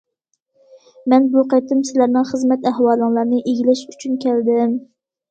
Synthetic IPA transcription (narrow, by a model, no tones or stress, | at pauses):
mɛnbuqɑjt̪ɨmsɪlæɾnɪŋχəzmɛt̪æhwɑːlˠɨŋlˠɑɾnɨʔeɡʲilɪʃyt͡ʃʰynkʲæld̪ɪm